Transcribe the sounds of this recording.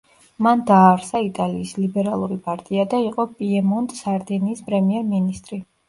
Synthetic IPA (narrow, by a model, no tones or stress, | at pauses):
mand̪aːɾsait̪ʼaliːslibɛɾalˠuɾipʼaɾt̪ʼiad̪aiqʼɔpʼiɛmɔnd̪saɾd̪ɛniːspʼɾɛmiɛɾminist̪ʼɾi